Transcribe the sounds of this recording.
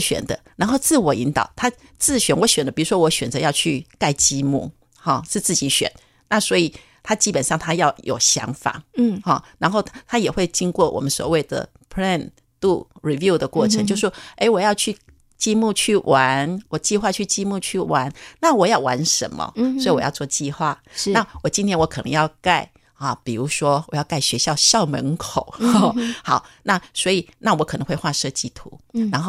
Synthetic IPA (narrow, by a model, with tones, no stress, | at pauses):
ɕɥɛ̰˨˩nd̪ə˦ɻa˧˥nxo˥˧ʊt͡sɹ̩˥˩wɔ˨˩i˧˥nt̪ɑ̰˨˩˦ʊt̪ʰa˥ | t͡sɹ̩˥˩ɕɥɛ˨˩nwɔ˧˦ɕɥɛ˨˩ndə˦pi˨˩ɻu˧˦˥ʂwɔ˥wɔ˧˥ɕɥɛ˨˩nt͡sɤ˧˦jɑ˥˧ʊt͡ɕʰy˥˧ka˥˧ɪt͡ɕi˥mṵ˥˩ | xɑ˥˩ʂɻ̩˥˧t͡sɹ̩˥˩t͡ɕi˧˥ɕɥɛ̰˨˩n | na˥˩swɔ˧˥i˨˩ | t̪ʰa˥t͡ɕi˥pə˨nʂɑ˥˩ŋt̪ʰa˥jɑ˥˩ʊjʔo˨˩ʊɕjɑ̰˧˥ŋfa̰˨˩˦xɑ˥˩ɻa˧˥nxo˥˩ʊt̪ʰa˥jɛ˨˩xwe˥˩ɪt͡ɕi˥ŋkwɔ˥˩wɔ̰˨˩mə˦nswɔ̰˨˩we˥ɪd̪ə̰˩ | pʰɹɛ˥˧˩n | t̪u˥˩ɹi˨˩vju˥˧ʊd̪ə˩kwɔ˥˩ʈ͡ʂʰə˧˦ŋt͡ɕjo˥˧ʊʂʂwɔ˥e˧˥ɪwɔ˨˩jɑ˥˧ʊt͡ɕʰy˥˧ | t͡ɕi˥˧mu˥˧t͡ɕʰy˥˩wʔa˧˦nwɔ˨˩t͡ɕi˥˧xwa˥˧t͡ɕʰy˥˧t͡ɕi˥˧mu˥˧t͡ɕʰy˥˩wa˧˥nna˥˨wɔ˨˩jɑ˥˩ʊwa˧˥nʂə̰˧˥˦nmɐ̰˧swɔ˧˥i˨wɔ˨˩jɑ̰˥˧ʊt͡swɔ˥˧t͡ɕi˥˧xwa˥˩˧na˥˩wɔ˨˩t͡ɕi˥nt̪ʰjɛ˥nwɔ˧˦˥kʰɤ˨˩nə̰˧˦ŋjɑ˥˧ʊka˥˩ɪ | ɐ˨˩pi˨˩ɻu˧˥ʂwɔ˥wɔ˨˩jɑ˥˧ʊka˥˩ɪɕɥɛ˧˥ɕjɑ˥˧ʊɕjɑ˥˩ʊmə̰˧˥nkʰo˨˩˦ʊ˥xɑ˨˩˦ʊna˥˩swɔ˧˥i˨˩na˥˩wɔ˧˦˥kʰnə˧˦ŋxwe˥˧ɪxwa˥˧ʂɤ˥˧t͡ɕi˥˩t̪ʰṵ˧˦ɻa˧˥nxo˥˩